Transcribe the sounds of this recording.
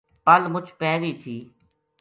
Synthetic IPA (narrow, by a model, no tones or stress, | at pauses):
pəlmʊt͡ʃʰpɛ̃ːʋiːt̪ʰiː